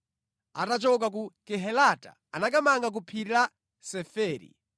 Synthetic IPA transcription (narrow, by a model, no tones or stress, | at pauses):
atat͡ʃɔk̬ak̬ukɛɦɛlata̰ | anakamaŋɡak̬upʰiɾila | sɛfɛːɾḭ